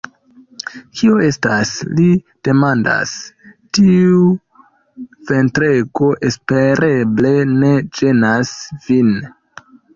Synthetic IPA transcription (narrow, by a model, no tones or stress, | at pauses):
kʰio̞e̞stasli | d̥e̞manda̰stiu | ve̞ntɾe̞ɡo̞ʔe̞spe̞ɾʔeble̞ne̞d͡ʒe̞nasvin